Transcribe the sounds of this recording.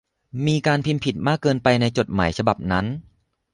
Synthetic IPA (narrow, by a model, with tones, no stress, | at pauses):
miː˧kaː˧npʰi˧npʰi˨˩t̪̚maː˥˩kːɤː˧npa˧jna˧jt͡ɕo˨˩t̪̚ma̰ː˩˦jt͡ɕʰa˧ba˨˩p̚na˦˥n